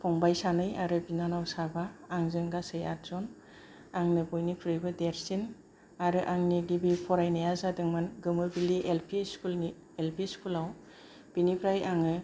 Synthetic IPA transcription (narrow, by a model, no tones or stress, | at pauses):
pʰɔŋbajsanɯjaɾɯbinanawsabaːŋzɯŋɡasɯja̰ɾz̥ɔn | aŋnɯbɔjnikʰɯɾɯjbɯdeɾsin | aɾɯʔaŋniɡibipʰɔɾajnajazadɯŋmɯnɡɯmɯbiliʔelpʰiskuln | elpʰiskʰulaw | b̥inipʰɾajaŋɯ